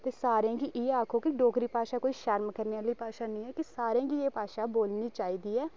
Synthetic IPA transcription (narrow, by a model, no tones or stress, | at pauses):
t̪eːsaːɾãːkiːʔɪeaːkʰoːkɪɖɔːkɾiːpaːʃaːkoːiːʃəɾmkəɾneːaːləiːpaːʃaːnĩːɛːkɪsaːɾãːɡiːeːpaːʃaːboːlniːt͡ʃaːiːd̪iːɛː